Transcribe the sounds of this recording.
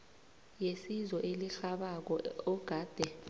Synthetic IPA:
jesizɔʔeliɬaɓak̬ɔɔɡ̥ʱaːd̥ʱɛ

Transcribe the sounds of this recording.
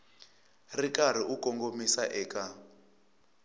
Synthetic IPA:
rikaɾ̤iʔukɔŋɡomisaʔɛːkʼa

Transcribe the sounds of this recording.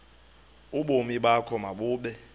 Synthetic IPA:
uɓomiɓakʰɔmaɓuːɓɛ

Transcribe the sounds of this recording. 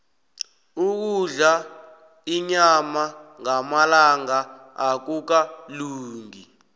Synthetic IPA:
uk̬uɮa | iɲamaŋamalaŋa | ak̬uk̬aluːŋi

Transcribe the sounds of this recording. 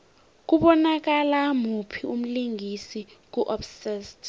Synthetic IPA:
k̬uɓɔnak̬alamupʰium̩liŋʱisik̬uʔɔfsɛst

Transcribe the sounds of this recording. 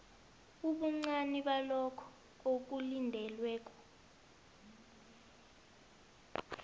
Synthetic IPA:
uɓuŋ͡ǀaniɓalɔkʰɔ̥ | ok̬ulindʱɛlwɛːk̬ʼɔ̥

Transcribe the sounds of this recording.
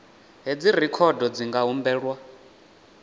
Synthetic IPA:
ɦed͡zirikʰɔdɔd͡ziŋɡaɦumbɛːɺwa

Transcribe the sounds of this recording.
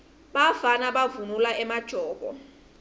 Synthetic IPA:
ɓafanaɓavunulaʔɛmad̥ʒ̥ʱɔːɡ̥ʱɔ̰

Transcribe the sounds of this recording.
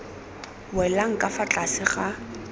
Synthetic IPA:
wɛlaŋ̩kʼafat͡ɬʼasɪχa

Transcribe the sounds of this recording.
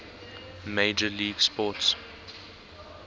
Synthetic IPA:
meɪd͡ʒəliːɡspɔts

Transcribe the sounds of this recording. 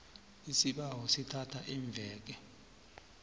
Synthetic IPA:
isiɓaɦɔsitʰatʰaʔiɱb̪vʱɛːk̬ɛ

